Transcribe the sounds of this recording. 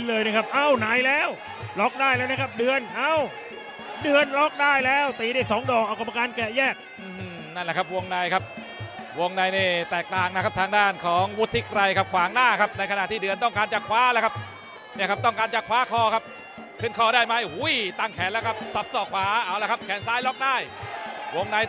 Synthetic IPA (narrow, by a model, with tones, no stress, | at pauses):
lɤː˧jna˦˥˩kʰa˦˥p̚ʔa˧˩wnaː˧˩jlɛː˦˥˩w | lɔ˦˥k̚daː˥˩jlɛː˦˥˩wna˦˥kʰa˦˥p̚dɯ˧ənʔa˧˥˩w | dɯ˧ənlɔ˦˥k̚daː˥˩jlɛː˦˥˩wt̪iː˧˩daː˥˩jsɔː˩˦ŋdɔː˨˩k̚ʔa˧wka˧ma˧kaː˧nkɛ˨˩jɛː˥˩k̚ʔɯː˧˩˧ | na˥˩nlɛ˧˦˩kʰa˦˥p̚wo˧əŋna˧jkʰa˦˥p̚ | wo˧əŋna˧jniː˥˩t̪ɛː˨˩k̚t̪aː˨˩ŋna˦˥kʰa˦˥t̪ʰaː˧ŋdaː˥˩nkʰɔː˩˦ŋwu˦˥t̪ʰːi˦˥k̚ɾa˧jkʰa˦˥p̚kʰwaː˩˦ŋnaː˥˩kʰa˦˥p̚na˧jkʰa˧na˨t̪ʰiː˥˩dɯ˧ənt̪ɔ˥˩ŋkaː˧nt͡ɕa˨˩kʰwaː˦˥lɛ˦˥˩kʰa˦˥p̚ | ni˥˩ɐkʰa˦˥p̚t̪ɔ˥˩ŋkaː˧nt͡ɕa˨˩kʰwaː˨˥kʰɔː˧kʰa˦˥p̚ | kʰɯ˧˩nkʰɔː˧˩daː˥˩jma˦˥jhu˦˥jt̪aː˧˩ŋkʰɛː˨˦nlɛː˦˥˩kʰa˦˥p̚sa˨˩p̚sɔː˧˩kʰwaː˨˩˦ʔaː˧˩wlkʰa˦˥p̚kʰɛː˨˦nsaː˦˥jlɔ˦˥k̚daː˥˩jwo˧ŋna˧j